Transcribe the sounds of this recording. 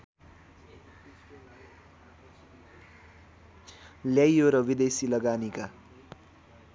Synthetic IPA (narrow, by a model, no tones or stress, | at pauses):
ljajoɾʌwid̪esilʌɡanika